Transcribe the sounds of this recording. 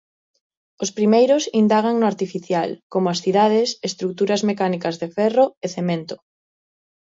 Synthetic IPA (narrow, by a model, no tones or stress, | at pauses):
ospɾimejɾʊsind̪aɣ̞aŋnʊaɾt̪ifiθjalkomʊasθiðað̞esest̪ɾuk̚t̪uɾɐzmekanikɐzðefɛroeθemẽnt̪ʊ̥